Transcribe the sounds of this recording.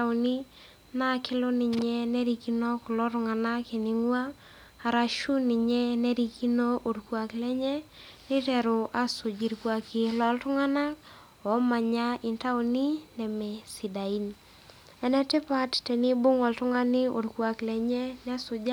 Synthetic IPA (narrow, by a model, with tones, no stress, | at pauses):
a˨ni˦ | na˦kɪ˦lʊ˦nɪ˨ɲɛ˦nɛ˦ɾi˨ki˦nɔ˦klɔ˦ɾʊ˦ŋa˨na˦ki˨ni˨ŋwaː˦˨ | ɾa˨ʃu˦nɪ˨ɲɛ˦nɛ˦ɾi˨ki˦no˦ʔo˨dkwa˨klɛ˦ɲɛ˦ | nɪ˦tɛ˨ɾʊ˨ʔa˨sʊ˨d͡ʒi˨ɾkwa˨ki˨lɔ˦ltʊ˦ŋa˦na˦k | ɔ˨˦ma˨ɲa˦ɪ˨nta˦u˦ni˦nɛ˨mɛ˨si˨da˨i˦n | ɛ˦nɛ˦tɪ˦pa˦ttɛ˨ni˦bʊ˦ŋɔ˨ltʊ˦ŋa˦nɪ˦o̰˨dkwa˨klɛ˨ɲɛ˦nɛ˦sʊ˨d͡ʒa˦